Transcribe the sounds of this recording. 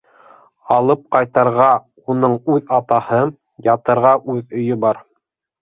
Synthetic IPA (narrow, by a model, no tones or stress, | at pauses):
ɑlˠɤp̚qɑjt̪ɑɾʁɑ | unɤɴʉðɑt̪ɑhɤ | jɑt̪ɤ̆ɾʁɑʔʉðɵ̆jɵbɑɾ